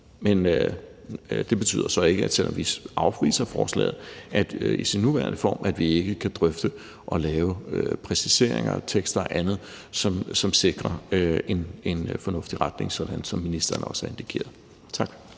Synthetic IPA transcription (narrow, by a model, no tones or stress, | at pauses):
menø | d̥e̝b̥e̝̥t͡sʰy̰ːðˠɐsɒ̽e̝ɡ̥əæ̥selɒ̰̽mʋiʔɑ̈ʊpʰʋḭːsɐfɒ̰ːslɛ̰ːð̞̩ˠæd̥isinːuʋæɐnəfɒ̰ːmʔæd̥ʋie̝ɡ̥əkʰæd̥ʁœfd̥ə | ʔɒ̽lɛːʊøpʰʁɛsise̝ɐ̰e̝ŋɐ̰t͡sʰeɡ̥sd̥ɐʔænð̞̩ˠ | sɒ̽msɒ̽mse̝ɡ̥ʁɐe̝ne̝nfɒ̽nɔ̽fd̥iʁad̥ne̝ŋsɒ̽d̥ænsɒ̽mːinisd̥ɐnəɒ̽sæɐe̝nd̥ikʰe̝̰ːɐð̩ˠ | t͡sʰɑ̈ɡ̥